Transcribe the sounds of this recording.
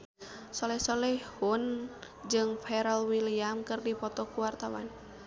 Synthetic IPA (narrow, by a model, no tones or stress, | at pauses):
sɔlɛhsɔlɛhun | d͡ʒɨŋfɛɾɛlwiliamkɨrdipɔt̪ɔkuwart̪awa̰n